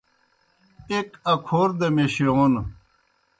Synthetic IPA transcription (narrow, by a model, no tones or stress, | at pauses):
ekɐkʰoːɾd̪emeɕion